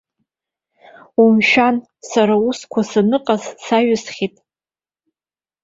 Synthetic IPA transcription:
umʃᶣan | saɾauskʷʰasanɨqʼazsaɥɪsχʲitʼ

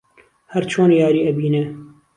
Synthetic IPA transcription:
hɛɾt͡ʃʰoːnjaːɾiːɛbiːnɛ

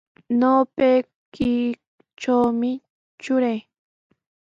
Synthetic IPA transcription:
noːpej | kɪ | t͡ʃawmɪ | t͡ʃʊɾaj

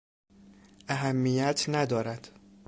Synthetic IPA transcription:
ʔæɦæmːijæt̪ʰnæd̪ɒːɾæd̪̥

